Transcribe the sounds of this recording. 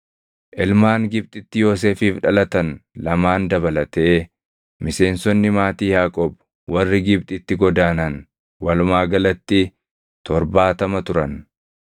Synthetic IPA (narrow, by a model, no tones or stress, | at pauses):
ʔɪlmaːŋɡɪb̚t̪ʼɪt̪ːɪjo̞ːs̬eːfiːfᶑɐlɐt̪ɐnlɐmaːnd̪ɐbɐlɐt̪eː | mɪse̞ːnsɔnːɪmaːt̪iːjaːkʼɔb | wɐrːɪɡɪbt̪ʼɪt̪ːɪɡɔd̪aːnɐn | wɐlʊmaːɡɐlɐt̪ːɪ | t̪ɔɾbaːt̪ɐmɐt̪ʊɾɐn